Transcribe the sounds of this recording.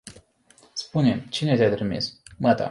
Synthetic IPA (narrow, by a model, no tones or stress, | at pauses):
spunemt͡ʃine̞t̪ʲat̪ɾimḭsmat̪a̰